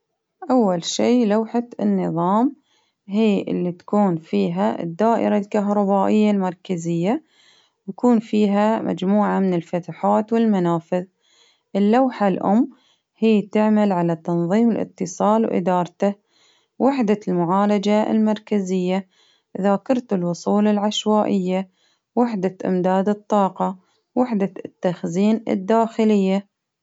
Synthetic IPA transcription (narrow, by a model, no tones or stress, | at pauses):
ʔawːalʃiːlawħaɪnːɨðˤɑːm | ɦiːʔɪ̰lːit̪ḁkuːnfiːɦaɪ̰d̪ːaːʔɪ̰ɾalkaɦɾˤɑbaːʔɪjːalmɑɾˤkazɪjːa | wjakuːnfiːɦamʔa̰d͡ʒmuːʕamɪnɪlfat̪aħaːt̪wɪlmanaːfɪð | ʔɪlːawħalʔʊ̰mː | hɪjːt̪ɪʕmalʕalat̪ɑnðˤiːmɪlʔɪ̰t̪ːɨsˤɑːlwʔɪ̰d̪ɑːɾˤt̪a | wʔɪħd̪almʊʕaːlad͡ʒa̰lmɑɾˤkazɪjːa | ʔðaːkɪɾˤt̪ɪlwʊsˤuːlalʕaʃwaːʔɪjːa | wɪħd̪aʔɪ̰md̪aːd̪ɨt̪ˤːɑːqɑ | wɪħd̪at̪ːaxziːnɪ̰d̪ːaːxɪlɪjːa